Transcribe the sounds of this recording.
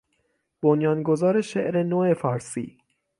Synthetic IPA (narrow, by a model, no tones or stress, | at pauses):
b̥onjɒːnɡozɒːɾe̞ʃḛʔɾe̞noːe̞fɒːɾsḭː